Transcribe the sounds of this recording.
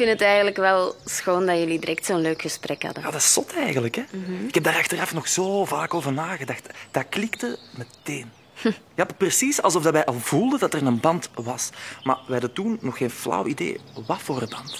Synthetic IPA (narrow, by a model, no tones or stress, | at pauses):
fɪntətɛjɣənləkʋɛlˠsxoːndɑjɵlidiɾʔɛk̚tsoːnløːkxəsprʔɛkhɑ̰dəjaːdɑsɔtʰɛjɣənləkɛɪkɛb̚daːɾɑxtərɑfnɔxz̥oːvaːkoːvərnaːɣədɑxtd̥aːrklɪktəməteːn | japrəsisɑlˠzɔfdɑtʋɛjʔɑlˠvulˠdədɑtərnənbɑntʋɑsma̰ːʋɛɦɑdətunːɔxeːnvlɑ̰widḛːʋɑtfoːrəbɑnt